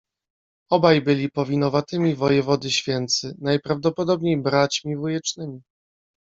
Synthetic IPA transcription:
ɔbajbɘlʲipɔvʲinɔvat̪ɘmʲivɔjɛvɔd̪ɘɕfʲjɛnt̪sɘnajpɾavd̪ɔpɔd̪ɔbɲejbɾat͡ɕmʲivujɛt͡ʂnɘmʲi

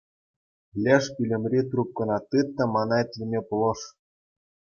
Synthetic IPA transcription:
lʲeʃpʲylʲɘ̆mrʲit̪rup̚kɤ̆nɑt̪ːɯt̪ːɤ̆mɑnɑĕt̪ʲlʲimʲepulˠɤ̆ʃ

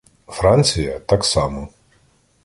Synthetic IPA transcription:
fɾanʲt͡sʲijɐt̪ɑksɑmɔ

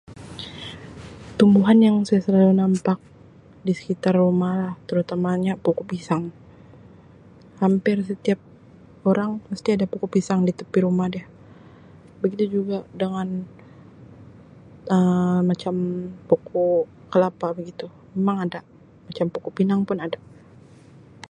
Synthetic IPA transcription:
t̪umbuɦanjaŋsajasəlalunampak̚ | disə̥kit̪arːumalaht̪əɾut̪amaɲapokopisaŋ | hampɪrs̬ət̪iap̚ | oɾaŋpast̪iadapokopisaŋdit̪əpiɾumahdia | bəɡit̪ud͡ʒuɡadəŋan | əmat͡ʃampokʰɔ | kəlapabəɡit̪umemaŋada | mat͡ʃampokɔpinaŋpʊnadaʔ

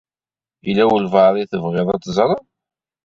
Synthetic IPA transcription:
ilːæwəlvɑðˤiθəvʁɪðˤɑt̪ːzˤɾˤə

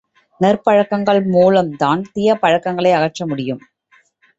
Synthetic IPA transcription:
nɛrpɐɻɐkːɐŋɡɐɭmuːlɐmt̪aːnt̪ɪjɐpɐɻɐkːɐŋɡɐɭɐɪɐɣɐʈʈt͡ʃːɐmʊɽɪjɯm

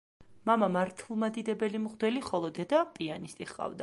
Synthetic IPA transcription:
mamamaɾt̪ʰlˠmad̪id̪ɛbɛlimχd̪wɛliχɔlˠɔd̪ɛd̪apʼianist̪ʼiχqʼa̰vd̪a

